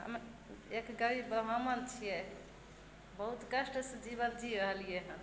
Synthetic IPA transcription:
ɦə̰m | ekɡəɾibəɦamənt͡ʃʰijɛ | bəɦut̪kəʃʈəsəd͡ʒiβət̪d͡ʒiɾəɦəlijeɦən

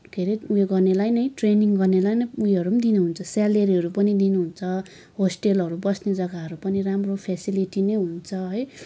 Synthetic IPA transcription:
kʰeɾiueɡʌrnelajnʌjʈreniŋɡʌrnelajnʌujɦʌɾud̪inuɦunt͡sʰʌsaleɾiɦʌɾupʌnid̪inuɦunt͡sʰʌ | ɦosʈelɦʌɾubʌsned͡zʌɡaɦʌɾupʌniramropʰesiliʈinejɦunt͡sʰʌɦʌj

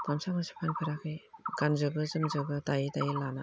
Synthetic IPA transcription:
ɡamsaŋɯsi̥pʰanpʰaɾakʰɯjɡ̥anzɯbɯzɯmzɯbɯtajitajilana̰

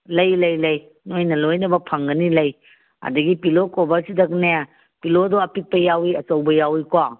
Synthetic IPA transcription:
lɐjlɐjlɐj | nojnɐlojnɐbɐpʰɐŋɡɐnilɐj | a̰dɐɡipilokɔbaɾsidɐk̚neja | pilodɔɐpik̚pɐjawiɐt͡ʃɐwbɐjawikwaŋ

